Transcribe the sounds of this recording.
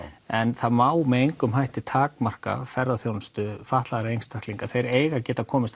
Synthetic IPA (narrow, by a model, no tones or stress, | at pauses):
ɛnθaðmaːwmɛðejŋkʏmɦajht̪ɪt̪ʰaːkmar̥ka̰fɛɾðaθjownst̪ʏfaht̪laðaɾejŋst̪ʰḁhk̪liŋkaθejɾeːjɣacɛːt̪akʰɔːmɪst̪